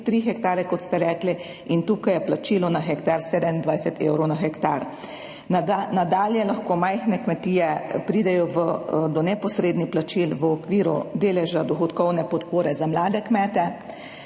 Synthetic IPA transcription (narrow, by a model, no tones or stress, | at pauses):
t̪ɾixɛkt̪aːɾɛkɔt̪st̪ɛɾɛːkli | int̪uːkajɛplat͡ʃiːlɔnaxɛkt̪aɾseːd̪ɛmind̪ʋajsɛt̪ewɾɔwnaxɛkt̪aɾ | nad̪aːljɛlaxkoːmajxnɛkmɛt̪iːjɛpɾiːd̪ɛjɔʋəd̪ɔnɛpɔsɾeːd̪nixplat͡ʃilʋəɔkʋiːɾṵd̪eːlɛʒad̪ɔxɔt̪kɔwnɛpɔt̪poːɾɛzamlaːd̪ɛkmɛːt̪ɛ